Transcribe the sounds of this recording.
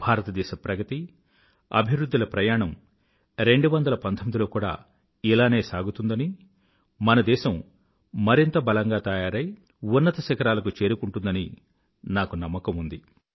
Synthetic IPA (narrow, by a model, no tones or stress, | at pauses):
bʱaːɾɐt̪ɐd̪ɛːʃɐpɾɐɡɐt̪i | ɐ̰bʱiʋɾud̪ːulɐpɾɐjaːɳɐm | ɾe̞ɳɖuʋɐnd̪ɐlɐpɐnt̪ʰomid̪ilo̞ːkuːɽa̰ː | ilaːneːsaːɡut̪und̪ɐni | mɐnɐd̪ɛːʃɐmː | ɐɾint̪ɐbɐlɐŋɡaːt̪ɐjaːɾɐj | unːɐt̪ɐʃɐkɐɾaːlɐk̬ut͡ʃe̞ːɾukuɳʈund̪ɐni | naːkunɐmːɐkɐmund̪i